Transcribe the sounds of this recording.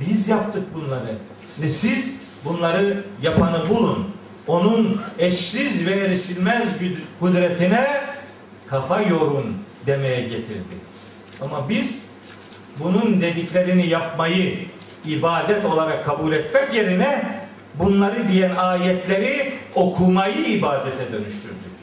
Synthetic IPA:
bizjap̚t̪ʰɯk̚bunlˠaɾɯ | siz | bunlˠaɾɯjapʰanɯbulˠun | o̞nunɛʃsizvɛɾisilʲmɛzkud̪ɾɛt̪ʰinɛ | kʰafajo̞ɾund̪emɛjɛɟet̪ʰḭɾd̪ḭ | amabiz̥ | bunund̪e̞d̪iclʲeɾinijapmajɯ | ibaːd̪ɛt̪o̞lˠaɾakʰːabulʲɛt̪mɛcje̞ɾinɛ | bunlˠaɾɯd̪ijænaːjɛt̪lʲeɾio̞kʰumajɯibaːd̪ɛt̪ʰɛd̪ø̞nyʃt̪ʰy̰ɾd̪yc

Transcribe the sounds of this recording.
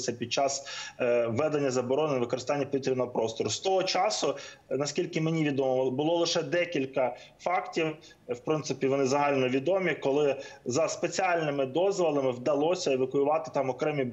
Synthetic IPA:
sʲɐpʲid̪̚t͡ʃɑs | ʋɛd̪enʲːɐzɐbɔɾɔnɪnɐʋɪkɔɾɪst̪ɑnʲːɐpʋʲit̪ʲɾʲinɔɦɔpɾɔst̪ɔɾʊst̪ɔɦɔt͡ʃɑsʊnɐskʲilʲkɪmenʲiʋʲid̪ɔmɔbʊlˠɔlˠɪʃɛd̪ɛkʲilʲkɐ | fɑktʲiw | wpɾɪnt̪sɪpʲiʋɔnɪzɐɦɑlʲnɔʋʲid̪ɔmʲikɔlˠɪzɐspet͡sʲiɑlʲnɪmɪd̪ɔzʋɐlˠɐmɪwd̪ɐlˠɔsʲɐɛʋɐkʊjʊʋɑt̪ɪ̥t̪ɑmɔkɾɛmʲi

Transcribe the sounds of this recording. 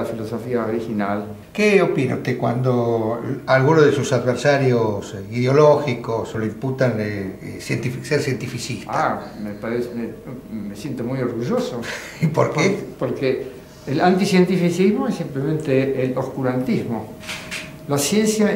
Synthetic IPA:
afilosofiaoɾixinal | keopina̰ut̪ekwa̰nd̪oalɣunozðesusaðβeɾsaɾjosiðeoloxikosoloimput̪ane | sjent̪ifseɾsjent̪ifisist̪amepaɾesemːesjent̪omujoɾɣuʒoso | ipoɾkpepoɾkeː | lant̪isjent̪ifisizmoesːimplemẽnt̪eːlohkuɾant̪izmo | lasjensja

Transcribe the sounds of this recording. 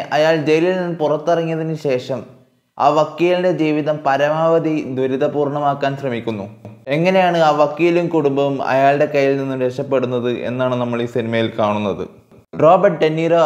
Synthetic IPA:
ʔɐjaːɭd͡ʑejlilninːpurɐt̪ːɐrɐŋːijɐðinɨɕe̞ːʂɐm | a̰ːʋɐkːiːjlinde̞d͡ʑiːʋiðɐmpɐɾɐmaːʋɐd̪id̪ʱwɐɾiðɐpuːrɳɐmaːkːaːnɕrɐmikʲːunːue̞ŋːɐne̞jaːɳɨaːʋɐkːijlumkuɽumbɐʋumɐ̰jaːɭɽe̞kɐjːilninːumɾekʂɐpːe̞ɽunːɐðɨʔḛnːaːɳɨnɐmːɐɭisinimɐjilkaːɳunːɐðɨ̰ | ro̞ːbɐrʈ̚ɖenːiːɾo

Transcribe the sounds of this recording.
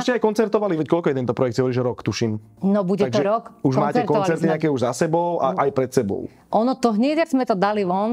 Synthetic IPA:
ʃcɛajkɔnt͡sɛɾt̪ɔʋaliʋɛckɔlkɔjɛt̪ɛnt̪ɔpɾɔjɛkt̪iɦɔʋɾiːʒɛɾɔkt̪uʃim | nɔbuɟɛaɡʒɛɾɔkuʒmanːcɛɾtkɔnt͡sɛɾt̪iɲɛakɛːuʒzasɛbɔʊʔaʔajpɾɛt̪sɛbɔ̰ʊ | ʔɔnɔt̪ɔɦɲɛɟzmɛt̪ɔd̪aliʋɔn

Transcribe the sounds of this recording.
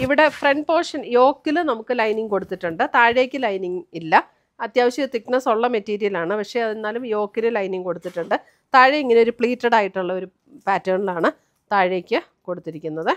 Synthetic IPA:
iʋiɽe̞freɳɖpo̞ːʂɐnjo̞ːkːilɨnɐmukːɨlɐjniŋko̞ɽut̪ːiʈːuɳɖɨt̪aːɻeːkʲːɨlɐjniŋilːɐ | ɐt̪jaːʋɐɕɐt̪iknɐso̞ɭːɐmetːiːɾijɐlaːɳɨpɐkʂe̞ɐðinːaːlumjo̞ːkːilɨlɐjniŋko̞ɽut̪ːiʈːuɳɖɨ | t̪aːɻeiŋːɐneo̞ɾupɭiːtːɐɽaːjiʈːuɭːɐo̞ɾu | paːtːɐːɳilaːɳɨ | t̪aːɻjeːkʲːɨ | ko̞ɽut̪ːiɾikʲːunːɐðɨ

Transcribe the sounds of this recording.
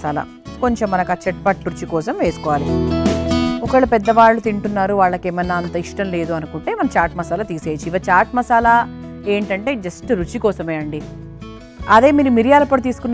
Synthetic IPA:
aːlɐ̰ | koɲt͡ʃe̞mːɐnɐkɐt͡ʃɐʈ̚pɐʈɾut͡ʃikɔːsɐmʋe̞ːsu̥kɔːʋaːli | ɔkɐɭɐpɛd̪ːɐʋaːɭːut̪iɳʈunːaːɾuʋaːɭːɐkeːmɐnːaːnt̪ɐiʂʈɐmle̞ːd̪uɐnukuɳʈe̞ːmɐnɐt͡ʃaːʈmɐsaːlɐt̪iːse̞ːt͡ʃiiʋɐt͡ʃaːɾʈmɐsaːlɐ | e̞ːɳʈɐɳʈe̞ːd͡ʒɐsʈɾut͡ʃikɔːsɐmeːɐɳɖi | ɐd̪e̞ːmiːɾumiɾijaːlɐpːɐɽut̪̬iːsu̥kunː

